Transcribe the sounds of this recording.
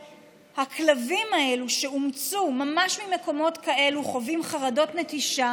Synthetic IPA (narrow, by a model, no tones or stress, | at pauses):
haklavimae̞luʃe̞umt͡sumamaʃmime̞ko̞mo̞tkae̞luχo̞vimχaʁado̞tnetiʃa